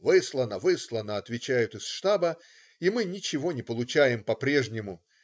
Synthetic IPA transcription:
vɨslˠənəvɨslˠənəɐt̪vʲɪt͡ɕæjʊt̪ɨsʂt̪abə | imɨnʲɪt͡ɕɪvo̞nʲɪpəlˠʊt͡ɕæjɪmpɐpɾʲe̞ʐnʲɪmʊ

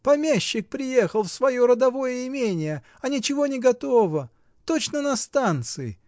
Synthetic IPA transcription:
pɐmʲæɕːɪk̚pɾʲɪjexəlˠfsvɐjo̞ɾəd̪ɐvo̞jəɪmʲenʲɪjə | ɐnʲɪt͡ɕɪvo̞nʲɪɡɐt̪ovə | t̪o̞t͡ɕnənɐst̪ant̪sɨɪ̰

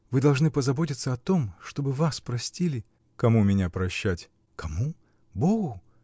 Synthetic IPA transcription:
vɨd̪ɐlˠʐnɨpəzɐbo̞tʲɪt̪səɐt̪o̞mʂt̪o̞bɨvaspɾɐsʲtʲilʲɪ | kɐmumʲɪnʲapɾɐɕːætʲ | kɐmu | boɡʊ

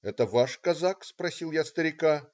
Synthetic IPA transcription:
ɛt̪əvaʂkɐzakspɾɐsʲilˠjast̪əɾʲɪka

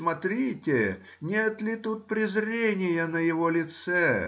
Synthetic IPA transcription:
mɐt̪ɾʲitʲɪ | nʲet̪lʲɪt̪ut̪̚pɾʲɪzɾʲenʲɪjənəjɪvolʲɪt̪sɛ

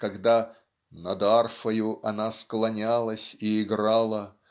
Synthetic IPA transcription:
kɐɡd̪a | nɐd̪arfəjʊʔɐnasklˠɐnʲalˠəsʲiɪɡɾalˠə

